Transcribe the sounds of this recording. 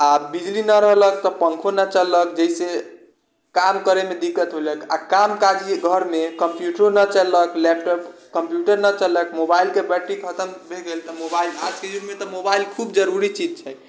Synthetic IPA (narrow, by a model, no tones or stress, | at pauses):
abid͡ʒlinəɾəɦlək̚t̪ɔpə̃ŋkʰonət͡ʃəlːək̚d͡ʒəise | kamkəɾemed̪ikːət̪ɦoləka̰kamkad͡ʒiɡʱəɾmekəmpjuʈonət͡ʃəlːəklɛp̚ʈɔpkəmpjuʈəɾnət͡ʃələkmobailkebəʈːikʰət̪əmbʱeɡelt̪ɔmobaila̰d͡ʒked͡ʒunmet̪ɔmobailkʰubd͡ʒəɾuɾit͡ʃid͡ʒt͡ʃʰɛ